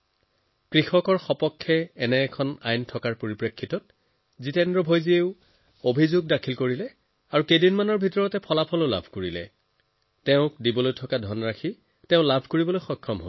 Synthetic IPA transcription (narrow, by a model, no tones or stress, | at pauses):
kɹixɔkɔɹxɔpɔkʰːɛːnɛːkʰɔna̰jntʰɔkaɹpoɹipɹekʰːitɔt̚ | zitɛndɹɔbʱojzieʊ | obʱizuɡ̚dakʰilkoɹilɛ | aɹukejdinmanɔɹbʱitɔɹɔtɛpʰɔlapʰɔloʊla̰bʱkoɹilɛ̰ | tɛʊ̃k̚dibɔlojtʰɔkadʱɔnɹakʰi | tɛʊ̃labʱkoɹibɔlojxɔjkʰːɔmɦo̰